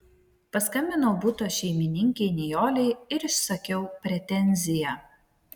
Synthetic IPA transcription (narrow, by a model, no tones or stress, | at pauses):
pɐskɐmʲbʲɪnɐʊbʊt̪oːʃʲɛɪmʲɪnʲɪŋʲkʲɛɪnʲɛjoːlʲɛɪɪɾɪʃsɐkʲɛʊpʲɾʲɛt̪ʲɛnʲzʲɪjæ